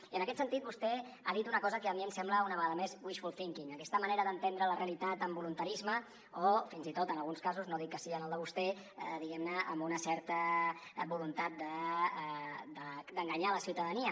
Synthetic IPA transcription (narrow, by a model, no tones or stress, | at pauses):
iənəkɛt̪sənt̪it̪̚bust̪ɛ | aðit̪unəkɔzəkəːmiəmsɛmbləunəβəɣaðəmezwiʃfulˠθiŋkiŋəkɛst̪əməneɾəðənt̪end̪ɾələreəlit̪at̪əmbulunt̪əɾizmə | ofinzit̪ot̪ənəlˠɣunskazuznoðit̪̚kəsiənəlˠd̪əβust̪ɛ | d̪iɣɛmnəʔːmbunəsɛɾt̪əbulunt̪at̪̚d̪ə | d̪əd̪əŋɡəɲaləsiwt̪əðəniə